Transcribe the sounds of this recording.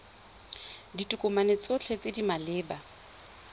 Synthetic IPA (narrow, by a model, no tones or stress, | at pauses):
ditʼukʼʊmanet͡sʼot͡ɬʰet͡sʼɪdimalɪːba